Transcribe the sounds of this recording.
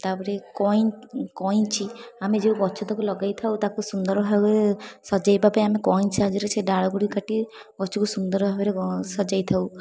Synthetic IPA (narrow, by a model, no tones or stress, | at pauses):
t̪apɔɾekɔinkɔit͡ʃʰiamed͡ʒeuɡɔt͡ʃʰɔt̪ɔkulɔɡajt̪ʰawt̪akusund̪ɔɾbʱabeɾesɔd͡ʒajbapajamekɔint͡ʃʰad͡ʒɔɾeseɖaɽɔɡuɽikaʈi | ɡɔt͡ʃʰɔkusund̪ɔɾbʱabeɾesɔd͡ʒajt̪ʰau